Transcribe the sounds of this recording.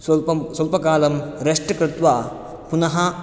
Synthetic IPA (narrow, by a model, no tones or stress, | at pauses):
slpɐsɐlpɐkaːlɐmɾɐʂʈɐkɾɪt̪ʋa | punɐɦɐ